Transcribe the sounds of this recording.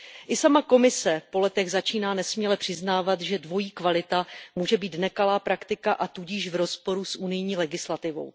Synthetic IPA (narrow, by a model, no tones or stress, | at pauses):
ʔɪsamako̞mɪsɛpo̞lɛt̪ɛɣzat͡ʃiːnaːnɛsmɲilɛpr̥ɪznaːvat̪ʒɛdvo̞jiːkvalɪt̪amuːʒɛbiːt̪nɛkalaːpɾakt̪ɪkaʔat̪uɟɪʃvɾo̞spo̞ɾusʔunɪjɲiːlɛɡɪslat̪ɪvo̞̰w